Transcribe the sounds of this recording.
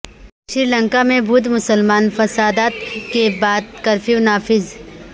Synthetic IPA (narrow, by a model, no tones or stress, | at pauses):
ʃɪɾlə̃ŋkamẽbuːd̪mʊsəlmaːnfɐsaːd̪aːt̪kebaːd̪kɐɾfiʋnaːfɪz